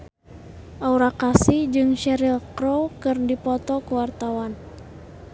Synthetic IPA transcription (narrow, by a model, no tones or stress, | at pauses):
ʔauɾakasid͡ʒɨŋʃɛɾilkɾɔkɨrdipɔt̪ɔkuwart̪awan